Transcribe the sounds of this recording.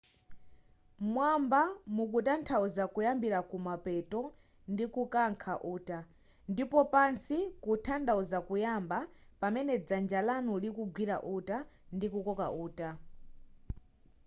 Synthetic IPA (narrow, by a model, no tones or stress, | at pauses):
mwambamukutantʰauzakujambiɾakumapɛtɔ | ndikukaŋkʰaʔuːta | ndipɔpansikutʰandauzakujambapamɛnɛd͡zand͡ʒalanulikuɡwiɾa̰ʔutandikukɔka̰ʔuːta